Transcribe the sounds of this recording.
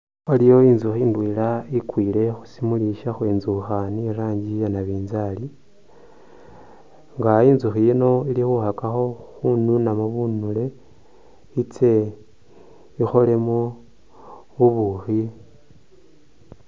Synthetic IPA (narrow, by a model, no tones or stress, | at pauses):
olijo̞iːnzuxiːndwiːlaikwiːle̞xu̥simuliʃaxweːnzuxaniɾaːɲɟijanaβiːnzali | ŋɡaiːnzuxijino̞ilixuxakaxo̞xununamuβunule̞ | it͡se̞ | ixo̞le̞mo | βuβuxi